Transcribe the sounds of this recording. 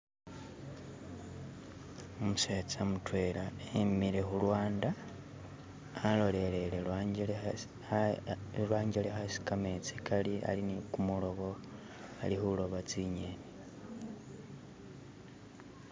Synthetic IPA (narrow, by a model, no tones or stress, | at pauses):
omuseːt͡samutwe̞laemiɾexulwaːnda | lo̞le̞ɾe̞lelwaele | lwaːɲɟelexasi̥kamet͡sikalia̰linikumulo̞ɣo | alixulo̞βat͡siɲene